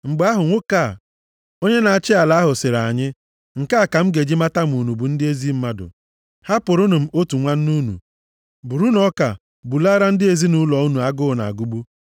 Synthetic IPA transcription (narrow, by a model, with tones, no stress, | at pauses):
ŋ͡m̩˨ɡ͡ba˦ɦʊ˨ŋʷʊ˦ka˦˨ | o˦ɲe˦na˨a˨t͡ʃɪ˦a˨la˨˦a˦ɦʊ˨sɪ˨ɾa˨ɲɪ˦ | ŋ̩˨ka˦a˨ka˨m̩˦ɡe˨d͡ʒi˦ma˦ta˦m˨u˨nu˨bu˨n̩˦dɪ˦e˦zi˦m̩˦ma˦dʊ̰˨ | ha˦pʊ˨ɾʊ˦nʊ˨m̩˨˦o˦tu˨ŋʷa˦n̩˦nu˦nṵ˨ | bu˨ɾu˦nɔ˦ka̰˨ | bu˨la˦ɾa˦n̩˦dɪ˦e˨zi˦nu˦lɔ˨u˦nu˨a˦ɡʊ˦˨na̰˨a̰˨ɡu˦ɡ͡bu˦